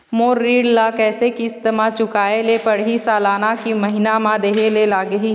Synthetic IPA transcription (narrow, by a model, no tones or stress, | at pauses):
moːɾːiːɽlaːkɛːsekiɪst̪ɐmat͡ʃʊkaːelepɐɽɦisaːlaːnakimɐɦɪnamãd̪eːɦelelaːɡɐɦiː